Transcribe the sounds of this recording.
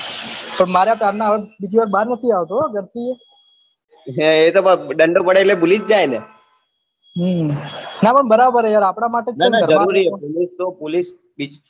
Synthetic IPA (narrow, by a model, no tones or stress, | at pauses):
pəɳmaɾat̪aɾnaʋebid͡ʒiʋaɾbaɾnət̪ʰiaʋt̪oaɡəɾt̪ie | et̪opəɖəɳɖopəɽelebulid͡ʒd͡ʒajne | ɦ | napəɳbəɾabəɾejaɾapɳ̃amaʈet͡ʃenɡəɾəaɾuɾiepolist̪opolis | bit͡ʃ